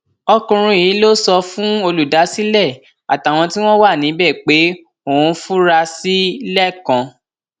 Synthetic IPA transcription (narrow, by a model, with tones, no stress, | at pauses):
ɔ˧kũ˧ɾ̃ũ˧˨ĩ˨˦lo˦sɔ˧fũ˦o˧lu˨da˨˦si˦lɛ˦˨ | a˨ta˨w̃ɔ̃˧ti˦w̃ɔ̃˦wa˦˨nĩ˨˦bɛ˦˨k͡pe˨˦ | o˦˨ũ˧fu˦ɾa˧si˦lɛ˦˨kã˧